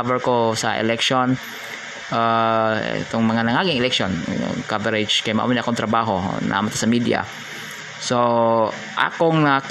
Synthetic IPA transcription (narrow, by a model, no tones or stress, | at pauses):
vɛɹkosɐ̰ʔɛ̰lɛkʃon | ʔaɛ̰t̪oŋmɐŋanɐŋaɡiaŋɪlɛkʃon̰kavɛɾɪd͡ʒkajmaʔwɪnakoŋt̪ɾɐbaɦonʔɐ̰ʔa̰mat̪ḁsɐmid̪ia̰ | so | ʔa̰koŋnɐk